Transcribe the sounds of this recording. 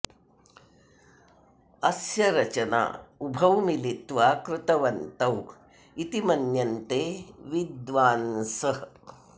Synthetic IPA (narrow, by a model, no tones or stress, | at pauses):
ɐsjɐɾɐt͡ʃɐna̰ːubʱɐwmilit̪ʋaːkɾɪt̪ɐʋɐnt̪ɐw | it̪imɐnjɐnt̪eːʋid̪ʋaːnsɐ